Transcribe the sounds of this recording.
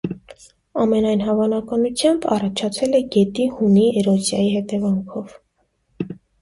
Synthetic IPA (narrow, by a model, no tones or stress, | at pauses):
ɑmɛnɑjnɦɑvɑnɑkɑnut͡sʰjɑmbɑ̰rɑt͡ʃʰɑt͡sʰɛlɛɡɛt̪ihuniɛɾɔzjɑjihɛt̪ɛvɑŋkʰɔv